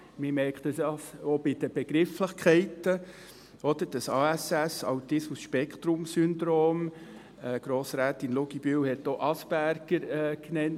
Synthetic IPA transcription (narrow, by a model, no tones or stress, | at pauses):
mɪmɛɾkχt̪əsɑsobid̪̥əb̥eɡ̥ɾɪfləχkʰɛɪtə | ɔd̪əɾd̥ɑsɑːæsæsɑ̰wt̪ɪsmusʃpɛkχt̪ɾʊmsynd̪ɾoːm | ɛɡ̥ɾoːsɾæːt̪inluɡib̥ywhɛt̪ːoʔɑsb̥æɾɡ̥əɾknɛn